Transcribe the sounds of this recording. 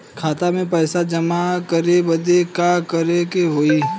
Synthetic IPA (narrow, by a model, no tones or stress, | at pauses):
kʰaːt̪amẽpɛːsad͡ʒɐmakəɾebəd̪ekakəɾekeɦoːi